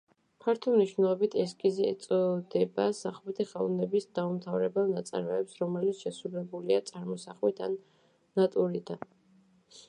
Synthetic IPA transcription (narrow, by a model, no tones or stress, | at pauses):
pʰaɾt̪ʰɔmniʃvnɛlˠɔbit̪ʰɛs̬kʼizɛɛ̰t̪sʼɔd̪ɛbasaχmɛt̪ʰiχalˠnɛbisd̪̥aumt̪ʰavɾɛbɛlˠnat̪sʼa̰ɾmɛːpsɾɔmɛlit̪sʰʃɛsuɾɛbuliat̪sʼaɾmɔsaχmit̪ʰa̰nː | at̪ʼuɾid̪a̰n